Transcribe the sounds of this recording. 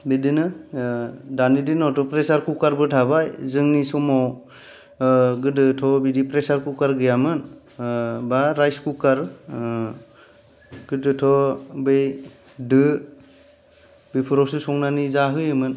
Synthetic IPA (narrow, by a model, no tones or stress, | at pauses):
bidinɯ | danidinɔwtʰɔpɾesaɾkukaɾbɯtʰabajzɯŋnisɔmaw | ɡɯdɯtʰɔbidipɾesaɾkukaɾɡɯjamɯn | baɾajskukaɾ | ɡ̥ɯdɯtʰɔbɯj | dɯ | bipʰuɾɔsɯsɔŋnanizaɦɯjɯmɯn